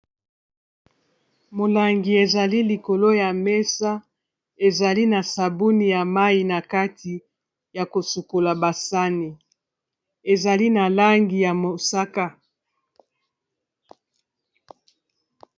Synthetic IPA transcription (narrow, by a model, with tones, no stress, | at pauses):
mo˨la˨ŋɡi˨e˨za˨li˦li˨ko˨lo˦ja˨me˦sa˦ | e˨za˨li˦na˨sa˨bu˦ni˨ja˨ma˦ji˨na˨ka˦ti˨ | ja˨ko˨su˨ko˨la˨ba˨sa˦ni˨ | e˨za˨li˦na˨la˦ŋɡi˨ja˨mo˨sa˦ka˦